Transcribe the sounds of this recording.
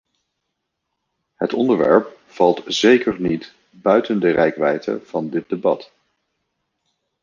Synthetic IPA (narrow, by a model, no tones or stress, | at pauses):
hətɔndəɹʋɛ̰ɹp̚ | fɑlˠtz̥ejkəɹnit | bœɥtəndərɛjkʋɛjtʰə̰v̥ɑndɪt̚debɑt